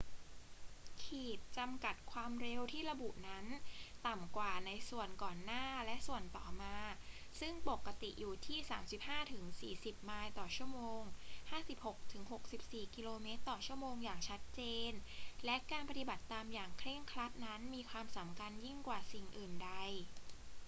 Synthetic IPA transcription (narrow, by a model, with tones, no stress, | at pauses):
kʰiː˨˩t̪̚t͡ɕa˧mka˨˩t̪̚kʰwaː˧mɾe˧wt̪ʰiː˥˩ɾa˧bu˨˩ʔna˦˥nt̪a˨˩mkwaː˨˩na˧jsu˨˩ənkɔː˨˩nːaː˥˩lɛ˦˥ʔsu˨˩ənt̪ɔː˨˩maː˧ | sɯ˥˩ŋpo˨˩kːa˧t̪i˨˩ʔjuː˨˩t̪ʰiː˥˩saː˩˦msi˨˩p̚haː˥˩t̪ʰɯ˩˦ŋsḭː˨˩si˨˩p̚maː˧jt̪ɔː˨˩t͡ɕʰu˥˩əmoː˧ŋhaː˥˩si˨˩p̚ho˨˩k̚t̪ʰɯ˩˦ŋɦo˨˩k̚si˨˩p̚siː˨˩ki˧loː˧meː˦˥t̪ːɔː˨˩t͡ɕʰu˥˩əmoː˧ŋjaː˨˩ŋt͡ɕʰa˦˥t̪̚t͡ɕeː˧nlɛ˦˥ʔkaː˧npa˧t̪i˨ba˨˩t̪ːaː˧mjaː˨˩ŋkʰɾe˥˩ŋkʰɾa˦˥t̪̚na˦˥nmiː˧kʰwaː˧msa˩˦mkʰa˧nji˥˩ŋkwaː˨˩si˨˩ŋʔɯː˨˩nda˧j